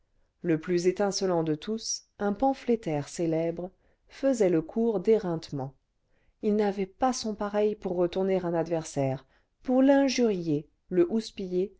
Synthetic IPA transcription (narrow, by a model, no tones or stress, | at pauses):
ləplyzet̪ɛ̃sɔlɑ̃d̪ət̪ʰusɛ̃pɑ̃flet̪ɛʁselɛbʁ | fəzɛləkʰuʁd̪eʁɛ̃t̪mɑ̃ | ilnavɛpasɔ̃paʁɛjpuʁːət̪uʁneʁɛ̃nad̪vɛʁsɛːʁ | puʁlɛ̃ʒyʁje | ləʔuspije